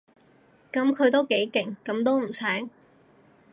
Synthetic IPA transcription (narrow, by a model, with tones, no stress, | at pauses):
kɐ˨˥mkʰɵ˨˧t̪̬o˥wke˨˥jkɪ˨˩ŋkɐ˨˥mt̪̬o˥wm̩˨˩sʰɛː˨˥ŋ